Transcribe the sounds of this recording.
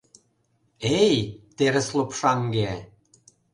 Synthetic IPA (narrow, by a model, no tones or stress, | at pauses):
ejt̪eɾɘ̆slˠopʂɑŋɡe